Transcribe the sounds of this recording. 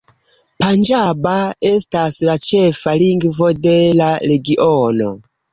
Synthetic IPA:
pand͡ʒabae̞staslat͡ʃe̞faliŋɡvo̞de̞laɾe̞ɡiʔono

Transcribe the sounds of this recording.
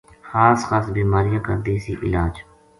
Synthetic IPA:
xaːsxaːsbiːmaːɾɪjãːkə̰ɾd̪iːsḭːʔɪ̰laːd͡ʒ

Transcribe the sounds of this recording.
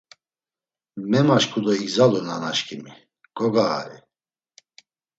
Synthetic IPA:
mɛmaʃkʰʼud̪ɔiɡzalunanaʃkʰʼimi | ɡ̥ɔɡa̰ːɾi

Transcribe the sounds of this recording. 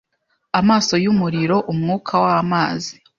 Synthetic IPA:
amaːso̞jumuɾiɾo̞ʔumŋuːkʰawaamaːzi

